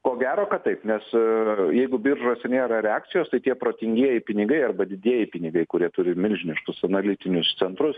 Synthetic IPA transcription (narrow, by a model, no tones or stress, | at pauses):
koːɡʲæːɾoːkɐt̪ɐɪpnʲɛsjɛɪɡʊbʲɪɾʒoːsʲɛnʲeːɾɐɾʲɛɑːk̚t̪sʲɪjoːst̪ɐɪt̪ʲiɛpɾoːt̪ʲɪŋʲɡʲiɛjɪpʲɪnʲɪɡɐɪɐrbɐd̪ʲɪd̪ʲiɛjɪpʲɪnʲɪɡɐɪkʊɾʲiɛt̪ʊɾʲɪmʲɪlʲʒʲɪnʲɪʃkʊsɐnɐlʲɪt̪ʲɪnʲʊst̪sʲɛnt̪ɾʊs